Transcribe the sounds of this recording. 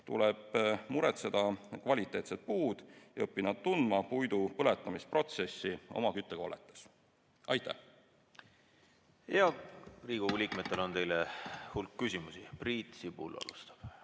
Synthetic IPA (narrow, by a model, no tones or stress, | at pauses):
t̪ṵleb̥muɾet̪sed̪̥ɑkvɑlʲit̪ːˑe̞ːt̪se̞t̪̚puːd̪̥jɑɤpːinɑd̪t̪und̪mɑpujd̪upɤle̞t̪ːˑɑmispro̞t̪se̞sːio̞̰mɑkyt̪ːˑeɡ̥ɑ̰let̪ːˑes | ɑjt̪ˑːæ̰h | eɑriːɡ̥uulʲikmet̪ːˑelo̞nt̪e̞jlehulkːysʲimusipriːt̪sibṵlːɑ̰lṵst̪ɑ̥b̥